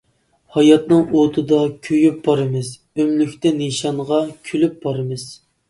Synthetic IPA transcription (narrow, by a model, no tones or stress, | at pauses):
hɑjɑt̪nɨŋot̪ʰɨd̪ɑkʲʰøjyp̚bɑɾɨmɨz | ømlykʲt̪ɛneʃɑɴʁɑkʲʰylyp̚b̥ɑɾɨmɨz̥